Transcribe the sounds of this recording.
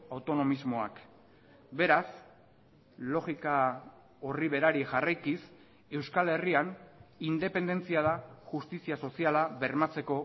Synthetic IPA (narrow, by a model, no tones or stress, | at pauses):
awt̪o̞no̞mizmo̞ak | be̞ɾas | lo̞ɣika | oriβ̞e̞ɾaɾiʝarajkis | e̞wskale̞rianind̪e̞pe̞nd̪e̞nt͡siað̞axust̪isiaso̞sialaβe̞ɾmat͡se̞ko̞